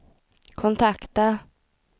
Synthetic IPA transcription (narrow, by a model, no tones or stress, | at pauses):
kʰɔnt̪ʰakt̪a